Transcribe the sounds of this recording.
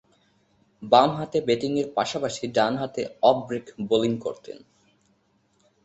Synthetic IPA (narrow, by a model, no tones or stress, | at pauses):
bamɦat̪ebeʈiŋeɾpaʃapaʃiɖanɦat̪eɔbbɾekboliŋko̰ɾt̪ḛn